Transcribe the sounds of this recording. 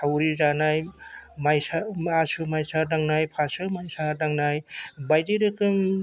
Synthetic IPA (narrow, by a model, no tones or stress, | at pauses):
tawɾizanajmajsaasɯmajsadaŋnajpʰasɯmajsadaŋnajbajdiɾɯkɯŋ